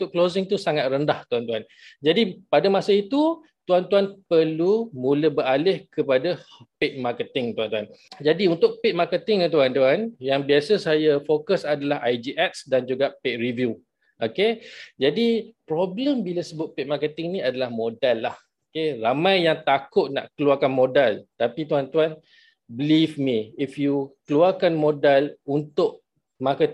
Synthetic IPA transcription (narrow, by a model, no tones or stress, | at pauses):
t̪ʊʔklosɪŋt̪usaŋat̪̚ɾəndaht̪uant̪uan | d͡ʒadipadamasait̪u | t̪uant̪uanpərlumũləbəɾalɪhkəpadapɪt̪̚makət̪ɪŋt̪uant̪uand͡ʒadiunt̪ʊk̚pɪt̪̚makət̪ɪŋt̪uant̪uanjaŋbiasəsajafokəsadalaɦajd͡ʒiʔɛt̪̚sdand͡ʒuɡapeʔ̚rivju | ʔoked͡ʒadipɾɔbləmbilasəbʊt̪̚pɪt̪̚makət̪ɪŋnĩadalahmodalːah | okeramãjːaŋt̪akʊt̪̚na̰ʔkəluarkanmodalt̪apit̪uant̪uan | bəlifmĩifjukəluarkanmodalunt̪ʊʔ̚ | makət̪